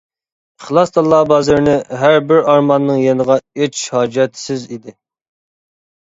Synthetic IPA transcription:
χlˠɑsd̪ɑlˠːɑbɑːzɨɾnɪɦæɾbɪɾɑɾmɑnːɨŋjenəʁɑet͡ʃhɑːd͡ʒɛt̪ʰsɪzid̪ɪ

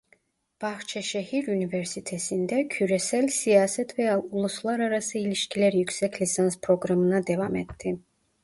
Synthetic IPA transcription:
b̥aχt͡ʃʰɛʃɛhiɾunivɛɾsit̪ʰɛsind̪ɛkʰyɾɛsɛlsiasɛt̪ʰvɛulˠuslˠaɾaɾasɛiliʃkʰilɛɾyksɛkʰlisanspʰɾɔɡɾamnad̪ɛvamɛt̪d̪i

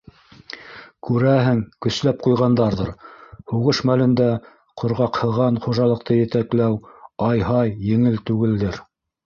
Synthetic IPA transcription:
kʉɾæɦɘŋkɵ̆slæp̚qujʁɑnd̪ɑɾðɤɾhuʁɤʃmælɘ̆nd̪æ | qʰŏɾʁɑqhɤ̆ʁɑnχuʒɑlˠɤ̆q̚t̪ɤjɘ̆t̪æklæwɑjɦɑjːɘ̆ŋɘlt̪ʉɡɘ̆ld̪ɘɾ

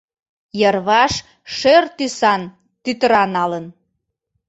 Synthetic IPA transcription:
jərβɑʃ | ʃørt̪ysɑn | t̪yt̪əɾɑnɑlən

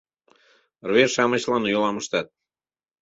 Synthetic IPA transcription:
rβerʃɑmət͡ɕlɑnjolˠɑməʃt̪ɑt̪̚

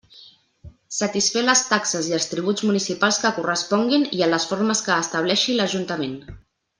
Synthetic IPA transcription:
sət̪isfɛləst̪aksəziəlˠst̪ɾiβ̞ud͡zmunisipalˠskəkurəspɔŋɡiniələsfoɾməskəːst̪əβ̞lɛʃiləʒunt̪əmen

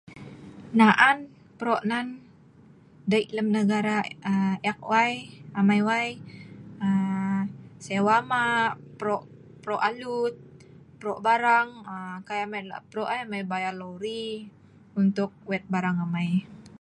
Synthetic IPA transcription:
naʔan | pɾoʔnan | daiʔləmnəɡaɾaəɛk̚wajamajwaj | ə | sewamapɾɔʔ | pɾɔʔalut̪̚ | pɾɔʔbaɾaŋəkajamajla̰pɾoʔajamajbajaloɾi | unt̪ʊk̚wɛt̪̚baɾaŋamaj

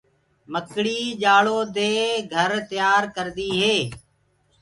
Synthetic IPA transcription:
məkɽiːd͡ʒaːɭoːd̪eːɡʱəɾt̪ɪjaːɾkəɾd̪iːɦeː

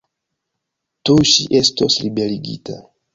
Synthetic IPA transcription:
tuʃiʔestosɾibeliɡḭta̰

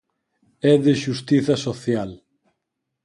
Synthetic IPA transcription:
ɛðeʃust̪iθɐsoθjal

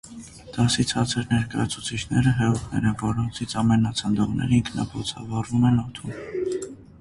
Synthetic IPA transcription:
d̪̥ɑsit͡sʰhɑt͡sʰɛɾnɛɾkɑjɑt͡sʰut͡sʰit͡ʃʰnɛɾəɦɛut̪ʰnɛ̰ɾɛnvɔɾɔnt͡sʰit͡sʰɑmɛnɑt͡sʰənd̪ɔʁnɛ̰ɾiŋkʰnɑ̰pʰɔt͡sʰɑvɑrumɛnɔt̪ʰun

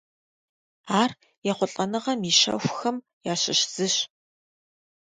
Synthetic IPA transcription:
aːr | jɛχʷʊɬʼɐnɨʁɐmiʃɐ̰xʷxɐm | jaːɕɪɕz̥ɨɕ

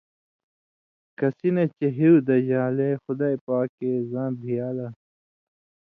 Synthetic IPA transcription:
kɐsinet͡ɕɐɦiud̪ɐʑaːlexʊd̪aːipaːkezãːnbʱijaːlɐ

